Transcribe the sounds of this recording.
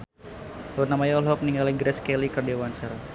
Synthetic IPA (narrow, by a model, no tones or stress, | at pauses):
lunamajɔlɦɔk̚niŋɡaliɡɾɛskɛlikərdewansər